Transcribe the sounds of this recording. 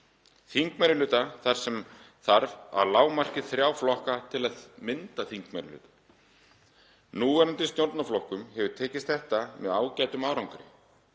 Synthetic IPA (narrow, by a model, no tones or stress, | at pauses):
θiŋkmɛɾɪlʏːt̪aθaɾ̥sɛm | θaɾva̰ðlaːwmar̥cɪθɾjaːwflɔhkat̪ʰɪlaðmɪnt̪aθiŋkmɛɾlʏ̰ːt̪ḁ | nuːvɛɾant̪ɪst̪jowɾt̪naflɔhkʏmhɛvʏ̥t̪ʰɛːcɪst̪θɛht̪amɛðaːwcaːjt̪ʏmaːwɾawŋkʏɾɪ̰